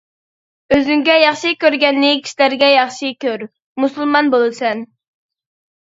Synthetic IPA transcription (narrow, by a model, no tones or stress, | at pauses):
øzyŋɡʲɛjɑχʃikʲøɾɡʲɛnːɪkʲʰi̥ʃlæɾɡʲɛjɑχʃikʲʰøɾ | musulˠmɑnbolˠɨsɛn